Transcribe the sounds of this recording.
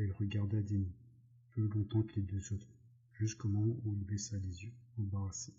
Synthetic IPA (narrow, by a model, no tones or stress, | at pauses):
ilʁəɡaʁd̪ad̪ini | pølɔ̃t̪ɑ̃kəled̪øzot̪χ | ʒyskomɔ̃muilbɛsalezjøɑ̃baʁase̥